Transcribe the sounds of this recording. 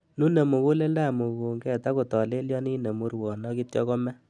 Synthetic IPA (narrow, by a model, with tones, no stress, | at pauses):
nu˦ne˨mo˨ku˦le˦la˦˨mo˨ko˨ŋɡɛ˨ta˦ko˨tɔ˨le˦ljɔ˦ni˦ne˨mu˦ɾwɔ˨nɔ˦ki˦tjɔ˦kɔ˦mɛ˦